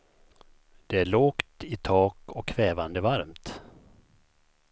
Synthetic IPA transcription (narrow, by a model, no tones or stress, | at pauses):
d̪̥ɛæɭoːkt̪ɪt̪ʰɑːkɔkʰːvɛːvand̪əvaɾmt̪